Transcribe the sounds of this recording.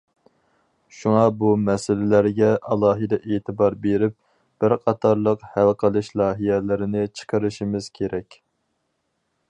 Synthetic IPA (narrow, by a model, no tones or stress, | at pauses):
ʃuŋɑbumɛsɪlɪlæɾɡʲɛʔɑlˠɑːɦɨd̪ɛʔeːt̪ʰɪbɑɾbeɾɪp̚ | b̥ɪɾqʰɑt̪ʰɑɾlˠəqhælˠqʰəlˠɨʃlˠɑːɦijɛlɪɾɪnɪt͡ʃʰə̥qʰəɾɨʃimɪz̥kʲʰeɾɛkʲ